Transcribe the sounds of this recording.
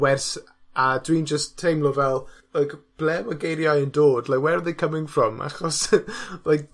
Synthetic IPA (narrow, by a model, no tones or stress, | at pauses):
wɛrs | adwind͡ʒəsʰːejmlˠɔvɛlˠləjkb̥lɛməɡejɾjajəndoːdlakwɛrðekʰəmɪ̃ŋfrɔmʔa̰χɔsləjk̚